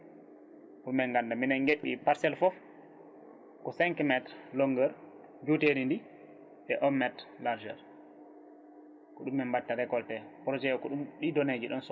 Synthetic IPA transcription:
ɗumːɛnɡandaminɛnɡeɓːḭpaɾsɛlfɔf | kɔsɛŋkmɛtɾlɔŋɡəɾ | d͡ʒuteɾindi | ʔɛʔɔmːɛtlaɾd͡ʒɛɾ | kɔɗumːɛmbatːaɾɛkɔltɛpɾɔd͡ʒɛɔkɔɗumɗidɔned͡ʒiɗɔns

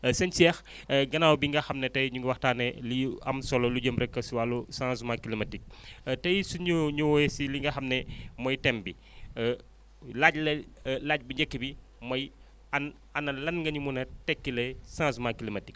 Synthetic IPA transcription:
sɛnt͡ʃiɛx | ɡɐnaːwbiŋɡɐxɐmnɛtɐjɲuŋɡɐwɐxtaːnɛliɐ̰msɔlɔluɟəmbɾɛkːɐsiwaːlusãːsumakilimɐtik̚tɐjsuɲuɲuwɔjɛsiliŋɡɐxɐmnɛmɔjtɛmbi | laɟlɐlaːɟ̚buɲɟɐkːibi | mɐj | ɐn | ɐnːɐlɐnŋɡɐɲumunɐtɛkːilɐsãːsumakilimɐtik̚

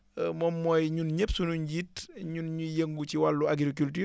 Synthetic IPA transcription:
mɔmːɔjɲunɲepsunuɲɟitɲunɲujeŋɡut͡ʃiwalːuaɡɾik̬ulti

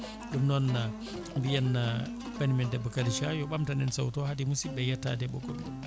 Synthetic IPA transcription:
ɗumnɔnːa | mbijanːa | banimɛndɛbːɔkaliʃajɔɓamtanɛnsawtɔhadimusibɛjatːa̰dɛɓɔ̰ɡɔɗu

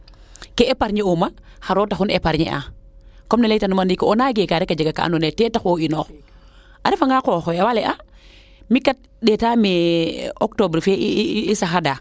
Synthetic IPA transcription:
kɛɛpaɾɲɛoma | xaɾɔːtaxunɛpaɾɲɛ̰ʔa̰kɔmnalɛtanumandikɔɔnaɡɛkaɾɛkad͡ʒaɡaka̰a̰nɔnɛtɛtaxɔinɔːx | ʔaɾɛfaŋɡakɔxɔawalɛʔa | mikat̚ | ɗɛtamɛɔk̚tobɾfɛiisaxada

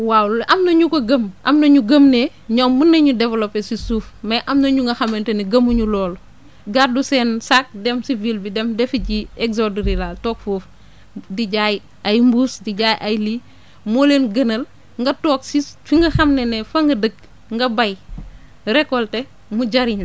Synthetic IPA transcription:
wawlʔɐmnɐɲukoɡɐmʔɐ̰mnɐɲuɡɐmne | ɲɔːmːunːɐɲudɛvlopesisuːfmɐʔɐmnɐɲuŋɡɐxɐmenteneɡɐmuɲulɔːl | ɡadusɛːnsak̚dɛmsivilbidɛmdɛfiɟieksodɾilaːltɔːk̚foːf | diɟaj | ajmbuːsdiɟaːjʔajli | molenɡənɐl | ŋɡɐtɔːksifiŋɡɐxɐmnenefɐŋɡɐdəɡ̚ | ŋɡɐbaj | ɾɛkːɔltɛ | muɟɐɾiɲu

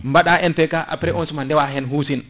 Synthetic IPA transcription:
mbaɗaʔɛnfɛkaʔa̰pɾɛɔnsumandɛwaɦɛnɦuːsin

